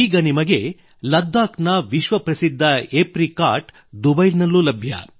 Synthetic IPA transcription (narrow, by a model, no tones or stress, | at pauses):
iːɡɐnimɐɡe̞ | lɐd̪ːaːknɐʋiʃʋɐpɾɐsid̪ʱːɐepɾikaːɾʈ | d̪ubɐjlnɐlːulɐbʱjɐ̰